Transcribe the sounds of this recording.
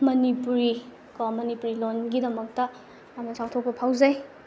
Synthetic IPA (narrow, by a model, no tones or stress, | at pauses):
mɐnipuɾi | kɔmɐnipuɾilonɡidɐmɐk̚tɐ | jamnɐsawtʰok̚pɐpʰawzɐj